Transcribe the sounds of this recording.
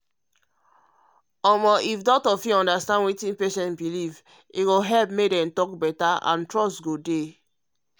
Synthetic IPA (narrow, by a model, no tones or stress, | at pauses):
ɔmɔʔifdɔtɔfiɔ̃ndastãndwitĩnpeʃɛ̃ntbiliv | iɡoɦɛlpmek̚dɛ̃mtɔk̚bɛtaã̰ntɹɔstɡode